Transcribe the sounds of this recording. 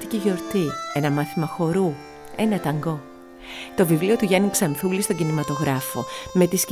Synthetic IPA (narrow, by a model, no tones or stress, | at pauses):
t̪iciʝo̞ɾt̪ie̞nɐmɐθimɐxo̞ɾu | e̞nɐt̪ɐŋɡo̞ | t̪o̞vivlio̞t̪uʝeniksɐnθulist̪o̞ɲɟinimɐt̪o̞ɣɾɐfo̞me̞t̪isc